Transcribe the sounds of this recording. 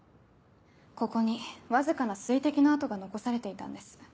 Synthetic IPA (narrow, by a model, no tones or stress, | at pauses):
ko̞ko̞ɲ̟iβazɨkanasɨit̪e̞kʲinaːt̪o̞ɡano̞ko̞saɾe̞t̪e̞it̪ã̰nd̪e̞sɨ̥